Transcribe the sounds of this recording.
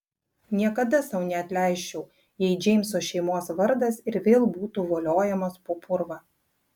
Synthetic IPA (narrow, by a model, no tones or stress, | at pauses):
nʲiɛkɐd̪ɐsɐʊnʲɛɐt̪ʲlʲæɪʃʲt͡ʃʲɛʊ | jɛɪd͡ʒʲɛɪmʲsoːʃʲɛɪmoːsʋɐɾd̪ɐsɪɾʋʲeːlˠbuːt̪uːʋoːlʲoːjɛmɐspoːpʰʊɾʋɐː